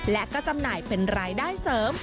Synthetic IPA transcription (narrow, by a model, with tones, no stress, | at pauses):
lɛ˦˥kɔː˥˩t͡ɕa˧mnaː˨˩jpe˧nɾaː˧jdaː˥˩jsɤː˩˦m